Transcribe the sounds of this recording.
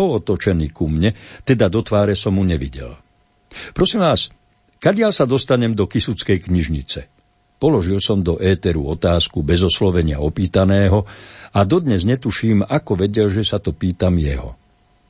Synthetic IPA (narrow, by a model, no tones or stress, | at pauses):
ɔɔt̪ɔt͡ʃɛniːkumɲɛt̪ɛd̪ad̪ɔt̪ʋaːɾɛsɔmɦuɲɛʋḭɟɛ̰l | pɾɔsiːmʋaːs | kaɟɪalsad̪ɔst̪aɲɛmd̪ɔkisut͡skɛjkɲiʒɲit͡sɛ | pɔlɔʒilsɔmd̪ɔʔɛːt̪ɛɾṵɔt̪aːskubɛzɔslɔʋɛɲɪa̰ɔpiːt̪anɛːɦɔad̪ɔd̪ɲɛzɲɛt̪uʃiːmakɔʋɛɟɛlʒɛsat̪ɔpiːt̪amjɛɦɔ̰